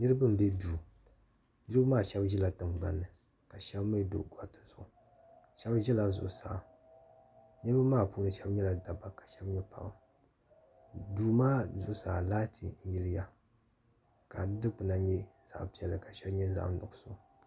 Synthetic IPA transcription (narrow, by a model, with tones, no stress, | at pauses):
nɨ˦ɾɨ˦bɨ˦m˨bɛ˦duː˨ | nɨ˦ɾɨ˦bmaː˦˨ʃɛ˦bʒɛ˦la˨tɨ˨ŋɡ͡ba˨nːɨ˨ | ka˨ʃɛ˦bme˦do̰˨ɡa˨tɨ˨zʊ˨ʔʊ˨ | ʃɛ˦bʒɛ˦la˨zʊ̰˨ʔʊ˨sa̰˨˦ | ɲɛ˦ɨ˦bɨ˦maː˦˨pu˦nɨ˦ʃɛ˦bɲɛ˦la˨da˨ba˨ka˨ʃɛ˦bɲɛ˦pa̰˨ʔɨ˨ | duː˨maː˦zʊ˨ʔsaː˨laː˦ti˨n̩˦ji˦lɪ˦ja˦ | ka˨dɨ˦dɨ˦k͡pu˨na˨ɲɛ˦z̥a̰˨pi˨ɛ˨lɨ˨ka˨ʃɛ˦bɲɛ˦za̰˦ʔnʊ̰˨ɡʊ˦sʊ˦ŋ˨